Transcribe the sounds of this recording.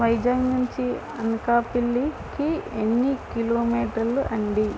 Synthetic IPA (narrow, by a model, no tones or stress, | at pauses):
ʋɐjd͡ʒaːɡnuɲt͡ʃi | ɐnɐkaːpiɭːi | kienːikiloːmiːʈɐɾluʔɐɳɖi